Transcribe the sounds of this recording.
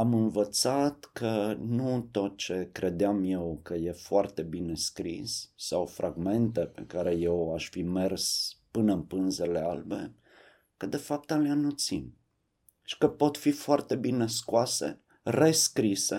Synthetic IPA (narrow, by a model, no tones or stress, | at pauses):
amɨnvət̪sat̪kʰənut̪o̞t̪̚t͡ʃe̞kɾʔe̞d̪eamjewkəje̞foart̪e̞bine̞skɾḭsːawfɾʔaɡme̞nt̪e̞pḛkaɾe̞je̞waʃfime̞rspɨnəɨnpɨnze̞le̞albe̞̰ | kəd̪e̞fap̚t̪aleanut̪sin | ʃi̥kəpo̞t̪fifoart̪e̞bine̞skoasḛ | re̞skɾise